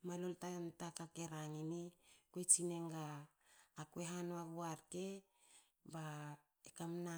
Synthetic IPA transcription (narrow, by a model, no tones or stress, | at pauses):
maloltantakake̞ɾaŋinikoet͡ʃine̞ŋɡaː | kweɦanoaɡuaɾke̞ | ba | ekamna